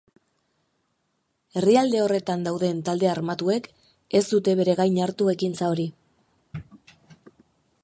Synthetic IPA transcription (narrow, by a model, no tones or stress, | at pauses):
e̞riald̪e̞o̞re̞t̪and̪awðe̞nt̪ald̪e̞aɾmat̪ue̞k | e̞zd̪ut̪e̞βe̞ɾe̞ɣajɲaɾt̪ue̞kint͡sao̞ɾi